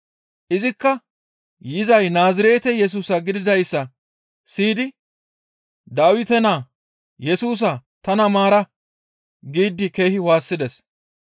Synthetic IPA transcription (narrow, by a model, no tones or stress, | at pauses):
ʔɪzɪkːɐ | jɪzɐjnaːzɪɾe̞ːt̪ɛjɛs̬uːsɐɡɪd̪ɪd̪ɐjsːɐ | siːd̪ɪ | d̪aːwɪt̪ɛnaː | jɛsuːs̬ɐt̪ɐnɐmaːɾɐ | ɡiːd̪ːɪke̞ːhɪwaːsːɪd̪ɛs